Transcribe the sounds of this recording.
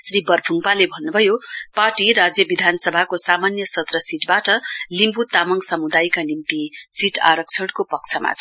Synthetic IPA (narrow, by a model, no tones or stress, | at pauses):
sribʌrbʱuŋpalebʱʌnːubʱʌjoparʈiɾad͡zjʌbid̪ʱanʌsʌbʱakosamanjʌsʌt̪rʌsiʈbaʈʌlimbut̪amʌŋsʌmud̪ajkanimt̪isiʈa̰ɾʌk̚t͡sʰʌɽkopʌk̚t͡sʰʌma̰t͡sʰʌ